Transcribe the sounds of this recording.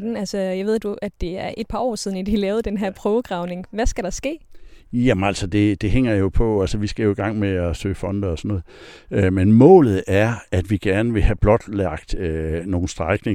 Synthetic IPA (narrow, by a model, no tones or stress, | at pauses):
d̥n̩ælsəjɑʋe̝ð̞̰ˠd̥uʔæ̥e̝æɐʔe̝d̥̚pʰɑ̈ɒ̰ːsið̞ˠn̩id̥ilɛːʊð̞̩ˠd̥enɦæɐ̰pʰʁœːʊəɡ̥ʁɑ̈ʊne̝ŋʋæsɡ̥æɾ̥ɑ̈sɡ̥e̝̰ːjæmnæl̰sɒd̥e̝d̥e̝ɦeŋ̰ɐjo̝pʰɒ̽ælsɒʋisɡ̥æjo̝iɡ̥ɑ̈ŋ̰meæsø̰ːfɒ̽nd̥ɐɒsɒ̽nɔ̽ːð̩ˠømenmɔ̰̽ːlð̞̩ˠæɐæd̥ʋiɡ̥æɐnəʋe̝hæb̥lɒ̽d̥læɐ̰ɡ̥d̥øno̝ːn̩sd̥ʁɑ̈ɪɡ̥neŋ